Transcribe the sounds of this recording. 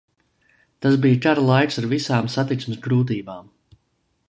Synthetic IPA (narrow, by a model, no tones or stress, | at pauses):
t̪asbijkaɾlˠajksaɾvisaːmsat̪it̪smɪsɡɾuːt̪̬iːbaːm